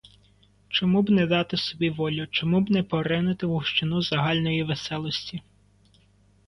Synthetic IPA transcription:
t͡ʃɔmubnɛd̪ɑt̪ɪsɔbʲiʋɔlʲʊt͡ʃɔmubnɛpɔɾɪnɪt̪ɪʋʊwʃt͡ʃɪnuzɐɦɑlʲnɔjiʋesɛlˠɔsʲtʲi

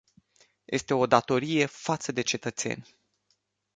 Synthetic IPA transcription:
jʔe̞st̪e̞o̞d̪at̪o̞ɾije̞fat̪səd̪e̞t͡ʃe̞t̪ət̪se̞̰nʲ

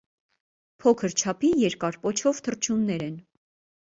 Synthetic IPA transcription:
pʰɔkʰəɾt͡ʃʰɑpʰijɛɾkɑɾpɔt͡ʃʰɔvt̪ʰərt͡ʃʰumnɛɾɛn

